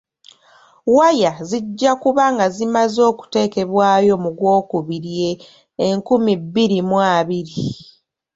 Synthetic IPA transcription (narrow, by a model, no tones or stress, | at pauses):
wajaziɟːakuβaŋɡazimazo̞ːku̥te̞ːke̞βwaːjo̞muɡwo̞ːkuβiɾje̞ː | ŋkumibːiɾimwaːβiɾi